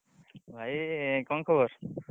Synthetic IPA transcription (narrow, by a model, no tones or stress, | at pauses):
bʱajkɔnkʰɔboɾ